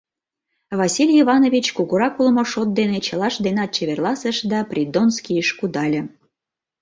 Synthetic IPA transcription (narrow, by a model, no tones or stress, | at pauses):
βɑsʲilʲjiβɑnovʲit͡ɕkuɣuɾɑkulˠmoʃot̪̚d̪enet͡ɕəlˠɑʃd̪enɑt̪̚t͡ɕeβerlˠɑsəʃd̪ɑprʲid̪onskʲijəʃkud̪ɑlʲĕ